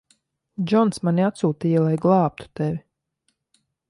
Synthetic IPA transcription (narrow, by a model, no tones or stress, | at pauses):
d͡ʒɔnsmaniat̪suːt̪iːjalˠajɡlˠɑːp̚t̪u̥t̪ɛvʲi